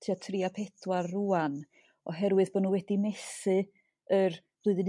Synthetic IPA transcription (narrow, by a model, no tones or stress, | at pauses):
tʰatʰriːapʰɛdwarːuːan | ɔɦɛɾwɨðbɔnuːwɛdimɛsɨ | ər | b̥ʊɨðən